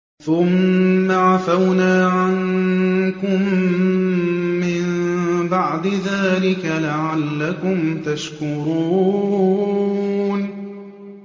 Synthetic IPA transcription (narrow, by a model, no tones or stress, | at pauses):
θʊmːaʕafawnaːʕan | kʊm | ɪnbaʕd̪ɪðaːlɪkalaʕalːakʊmt̪aʃkʊɾuː | n